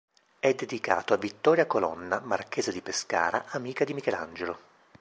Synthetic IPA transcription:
ɛd̪ːed̪ika̰ːt̪oavːit̪ːɔːɾjakolɔ̰nːamark̟eːzed̪ipeska̰ːɾa̰ʔamiːkad̪imikɛla̰nd͡ʒelo

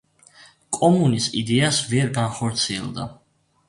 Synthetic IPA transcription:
kʼɔmunisid̪ɛasvɛɾɡanχɔɾt̪sʰiɛ̰lˠd̪a̰

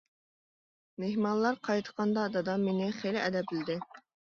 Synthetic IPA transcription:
meɦmɑnlˠɑɾqʰɑjt̪ʰə̥qʰɑnd̪ɑd̪ɑd̪ɑmenɪχelɪʔɛd̪ɛp̚ɪlɪd̪ɪ

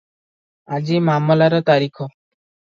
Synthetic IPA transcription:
ad͡ʒimamɔlaɾɔt̪aɾikʰɔ

